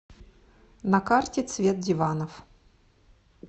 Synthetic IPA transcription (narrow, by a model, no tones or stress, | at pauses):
nɐkartʲɪt̪svʲet̪̚dʲɪvanəf